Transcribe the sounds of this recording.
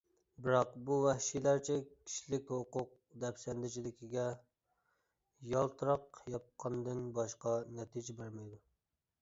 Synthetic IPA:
bɪɾɑqbuwɛhʃilæɾt͡ʃʰɛkʲʰi̥ʃlɪkʲhoqʊq̚ | d̪ɛpsɛnd̪ɪt͡ʃʰid̪ɪkʲʰiɡʲɛ | jɑlˠt̪ʰɨɾɑqjɑp̚qʰɑnd̪ɨnbɑʃqɑnɛt̪ʰid͡ʒɪbæɾmɛjd̪u

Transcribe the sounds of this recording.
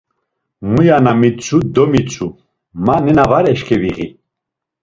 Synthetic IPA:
mujanamit͡sʼʰud̪ɔmit͡sʼʰu | manɛnavaɾɛʃkʰɛviʁḭ

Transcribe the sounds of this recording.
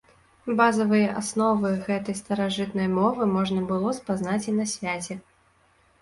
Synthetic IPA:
bazɐvɨjɐʔasnɔvɨɣɛt̪ɐjst̪ɐɾaʐɨt̪nɐjmɔvɨmɔʐnɐbɨlˠɔspazn̪at͡sʲinɐsʲvʲat͡sʲɛ

